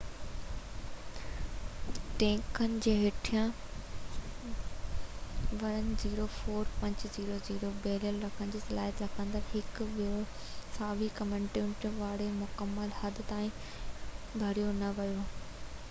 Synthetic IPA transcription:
ʈẽːkənɪ̆d͡ʑeːɦɪʈʰijã | ʋɐnziːɾofoːɾpɐ̃ɲd͡ʑziːɾoziːɾobeːljəlɾɐkʰənɪ̆d͡ʑeːsɐlaːɦjət̪ɾɐkʰə̃nd̪əɾɦɪkʋiɾo | saːʋikɐmə̃ɳʈʊ̃ʈʋaːɽemʊkəmːəlhɐd̪t̪aːĩ | bʱɐɽijonɐʋɐjoː

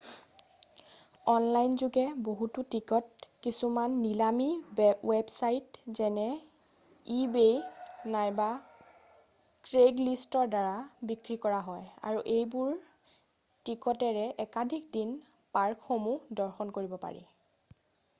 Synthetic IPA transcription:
ɔnlajnzuɡɛboɦututikɔt̚kisumanːilamiwɛbsajtzɛnɛ | ibejnajba | kɹeɡlistɔɹdaɹabikɹikɔɹaɦɔja̰ɹuʔejbuɹ | tikɔtɛɹɛʔɛkadʱikdin | paɹkʰxomudɔɹxɔnkoɹibɔpa̰ɹḭ

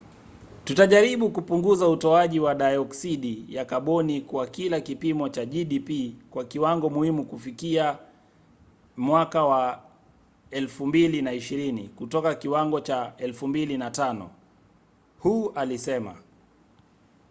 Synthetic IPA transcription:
tutaʄaɾiɓukupuŋɡuzautɔaʄiwaɗajɔksiɗijakaɓɔnikwakilakipimɔt͡ʃaʄiɗipikwakiwaŋɡɔmuhimukufikia | mwakawa | ɛlfumbilinaiʃiɾinikutɔkakiwaŋɡɔt͡ʃaɛlfumbilinatanɔ̰ | huːʔalisɛma̰

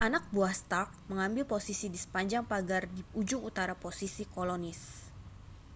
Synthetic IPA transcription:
ʔanak̚buast̪ak̚məŋambɪlposisidisə̥paɲd͡ʒaŋpaɡardiud͡ʒʊŋut̪aɾaposisikolonɪs

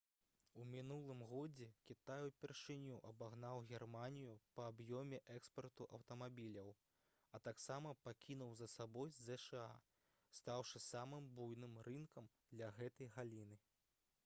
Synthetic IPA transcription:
umʲinulˠɨmɣɔd͡zʲɛkʲit̪ajupʲɛrʂɨnʲuʔɐbaɣnawɣʲɛrmanʲijupɐːbjɔmʲɛʔɛkspɐrt̪uʔɐwt̪ɐmabʲilʲɐw | ɐt̪aksamɐpakʲʰinuwzɐsabɔjzɛʂɛa | st̪awʂɨsamɨmbujnɨmrɨnkɐmd̪lʲɐɣɛt̪ɐjɣalʲinɨ

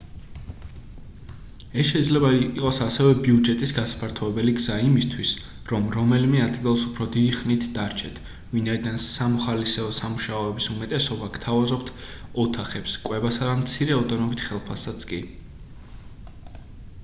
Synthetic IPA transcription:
ɛsʃɛid̪zlɛbaiqʼɔsasɛvɛbiud͡ʒɛt̪ʼisɡasḁpʰaɾt̪ʰɔɛbɛliɡzaimist̪ʰwis | ɾɔmɾɔmɛlimɛad̪ɡilˠsupʰɾɔd̪id̪iχnit̪ʰd̪aɾt͡ʃʰɛt̪ʰ | vinaid̪ansamɔχalisɛɔsamuʃaɔɛbisumɛt̪ʼɛsɔbakt̪ʰavazɔpt̪ʰɔt̪ʰaχɛpskʼwɛbasad̪amt̪sʰiɾɛɔd̪ɔnɔbit̪ʰχɛlˠpʰasat̪sʰkʼi

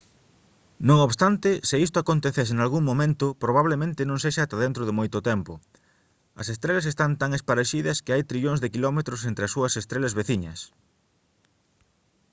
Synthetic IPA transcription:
nõŋoβst̪ant̪ɪsɪist̪oakont̪eθes̬ɪnalɣuŋmõmẽnt̪ʊpɾoβ̞aβlemẽnt̪ɪnõŋseʃaːt̪ɐðent̪ɾoðɪmojt̪ʊt̪ɛmpʊ | ɐsest̪ɾelɐsest̪ant̪aŋespaɾeʃiðɐskɪajt̪ɾiʎõŋzðɪkilɔmet̪ɾʊsent̪ɾɪɐsːuɐsest̪ɾelɐzβeθiɲɐ̰s

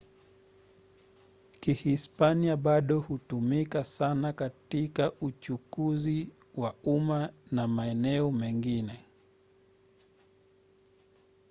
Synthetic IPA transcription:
kihispaniaɓaɗɔhutumikasanakatikaut͡ʃukuzi | waumanamaɛnɛɔmɛŋɡinɛ

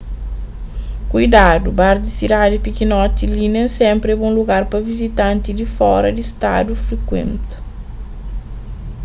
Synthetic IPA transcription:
kujd̪ad̪ubaɾd̪isid̪ad̪ɪpikinɔt̪ilinɐsẽmpɾɛbõluɡaɾpɐvizit̪ɐ̃nt̪id̪ifɔɾɐd̪ist̪a̰d̪ufɾikwḛ̃nt̪ɐ̥

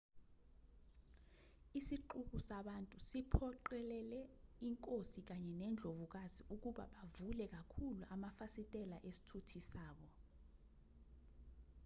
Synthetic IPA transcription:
isiǃuk̬usaɓantʼusipʰɔǃɛlɛlɛiŋkʼosik̬aɲɛnɛnd͡ɮʱovuk̬aziuk̬uɓa̰ɓavulɛk̬akʰuluʔamafasitʼɛlaʔesi̥tʰutʰisaːɓ̬ɔ

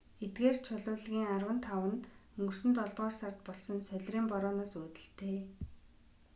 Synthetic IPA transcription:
et̪̚ɡeːrt͡ɕʰʊɮʊːɮɣʲiːŋarwə̆nt̪ʰawə̆nt̪ɵŋɡɵ̆rsɘ̆nt̪ɔɮt̪ʁɔːrsart̪̚pɔɮsɞ̆nsœɮʲriːmpɔɾɔːnaːsuːt̪ɘ̆ɬt̪ʰeː

